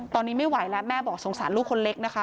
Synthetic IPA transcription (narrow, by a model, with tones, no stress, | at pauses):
t̪ɔː˧nːiː˦˥ma˥˩jwa˨˩˦jlɛ˦˥mɛː˥˩bɔː˨˩k̚so˨˩˦ŋsaː˨˩˦nluː˥˩kʰːo˧nle˦˥k̚na˦˥kʰa˦˥